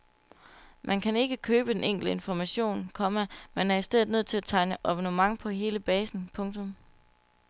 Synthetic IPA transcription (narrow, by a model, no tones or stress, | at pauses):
mʔænkʰæne̝ɡ̥əkʰøːb̥əd̥eneŋ̰ɡ̥l̩dəe̝nfɒmæɕo̝̰ːnkʰɒ̽mæmenæɐisd̥eð̰ð̩ˠnøð̰ˠt͡sʰe̝læt͡sʰɑ̈ɪnəʔɒb̥onumɑ̈ŋpʰɒ̽ɦe̝ːləb̥ɛːsn̩pʰɔ̽ŋt͡sʰɔ̽m